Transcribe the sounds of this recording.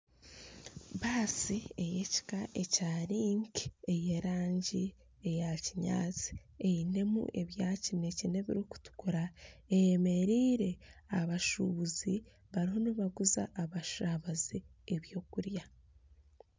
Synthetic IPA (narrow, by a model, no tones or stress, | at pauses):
βaːsie̞je̞ci̥kaʔe̞caːɾiːŋki̥e̞je̞ɾaːɲɟi | e̞jaciɲa̰ːt͡si̥ | e̞ine̞mṵʔe̞βjaːcine̞cine̞βḭɾiku̥tu̥kuɾaejeme̞ɾiːɾe̞aβaʃṵβuzi | βaɾiɦo̞niβaɡuza̰ʔːβaʃaβazieβjo̞ːkuɾja